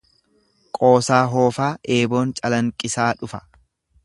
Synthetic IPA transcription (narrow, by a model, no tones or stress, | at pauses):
kʼo̞ːsaːɦo̞ːfaːʔeːbo̞ːnt͡ʃʼɐlɐŋkʼɪsaːᶑʊfɐ̥